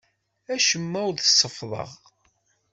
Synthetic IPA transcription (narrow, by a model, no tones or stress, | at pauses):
æʃəmːæwðəsːəfðˤə̰ʁ